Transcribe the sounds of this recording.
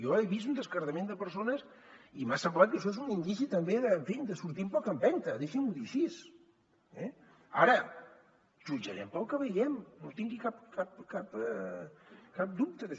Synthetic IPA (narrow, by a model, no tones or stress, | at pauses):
jɔeβisund̪əskəɾðəmend̪əpəɾsonəs | imasəmblat̪̚kəʃɔezunind̪isit̪əmbeðəɱfind̪əsuɾt̪impɔkəmbɛnt̪əðeʃinuðiʃis | ɛ | a̰ɾə | ʒud͡ʒə̰ɾɛ̰mpəlˠkəβəjɛmnot̪iŋɡikapkapkapɛ | kap̚d̪up̚t̪əðəʃ